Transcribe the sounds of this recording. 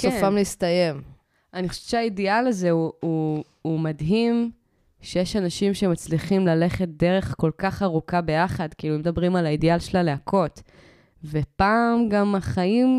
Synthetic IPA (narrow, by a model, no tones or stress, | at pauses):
kofamliist̪aje̞m | aniχoʃe̥t͡ʃeaidialaze̞uuː | madɦim | ʃejeʃanaʃimʃemat͡sliχimlale̞χe̞t̚d̪eʁe̞χko̞lkaχaʁukabe̞jaχadkiiːlumed̪abʁimalaidealʃelale̞akʰo̞t | ve̞paːmɡamaχaim